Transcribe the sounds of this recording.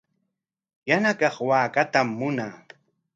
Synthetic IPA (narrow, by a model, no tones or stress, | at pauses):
janakɑχwaːkat̪amːʊnaː